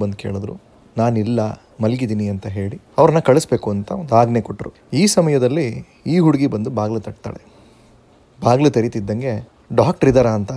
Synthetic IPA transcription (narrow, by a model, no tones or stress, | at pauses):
bɐnd̪uke̞ːɭud̪ɾṵ | naːnilːɐ | mɐlɡid̪iːniɐnt̪ɐɦe̞ːɭi | ɐʋɾɐnːɐkɐɭusbe̞ːkuɐnt̪ɐnd̪aːɡnekoʈːɾu | iːsɐmɐjɐd̪ɐlːiː | ɦuɽuɡibɐnd̪ubaːɡlut̪ɐʈ̚t̪a̰ːɭe | baːɡlut̪ɐɾit̪id̪ːɐŋɡe̞ | ɖaːkʈɐɾid̪ɐɾɐːnt̪ɐ